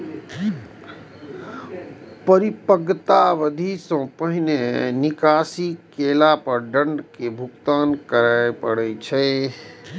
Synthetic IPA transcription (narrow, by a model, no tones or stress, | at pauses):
pəɾipəɡt̪aʋəd̪ʱisɔ̃pəɦinenɪkaːsikeːlapəɾɖə̃ɳɖkebʱʊkt̪aːnkəɾajpəɽɛt͡ʃʰɛ